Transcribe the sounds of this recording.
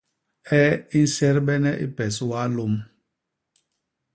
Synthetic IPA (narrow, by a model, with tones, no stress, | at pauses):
ɛ˦i˦n̩˦sɛ˦ɾbɛ˦nɛ˦ʔḭ˦pɛ˨swa˦lo˦m